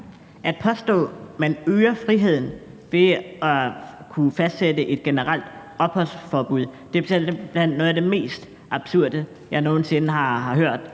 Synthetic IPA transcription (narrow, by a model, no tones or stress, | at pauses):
ʔæd̥̚pʰɒ̽sd̥ɔ̰̽ːmænøːɐfʁiɦe̝ð̞̰ˠn̩ʋe̝ɒ̽kʰufæsd̥sedəʔe̝d̥̚ɡ̥e̝nəʁal̰d̥ | ɒ̽b̥hɒ̽l̰sfɒːb̥uð̰ˠd̥e̝̥eb̥lænɔ̽ːðˠæd̥e̝me̝̰ːsd̥ | ʔɑ̈b̥suɐ̰d̥ə | jɑ̈ɪno̝ːn̩se̝nəɦɑ̈ɦɑ̈ɦøɐ̰d̥